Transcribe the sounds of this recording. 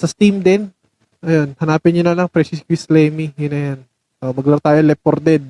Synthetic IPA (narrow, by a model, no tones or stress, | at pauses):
sɐst̪imd̪ɛn | ʔɐjonhɐnaːpɪnɲʊnɐlɐŋpɾɛsɪskwislɛːmijʊnɐjan | ʔomɐɡluat̪aːjolɛpoɾd̪ɛd̪̚